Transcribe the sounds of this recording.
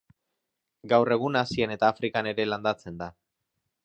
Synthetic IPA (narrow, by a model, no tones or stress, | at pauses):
ɡawre̞ɣ̞unasiene̞t̪aːfɾikane̞ɾe̞land̪at͡se̞nd̪a